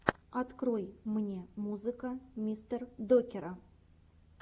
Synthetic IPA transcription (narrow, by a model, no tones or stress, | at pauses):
ɐt̪krojmɘnʲe̞muzɨkamʲist̪erd̪okʲeɾa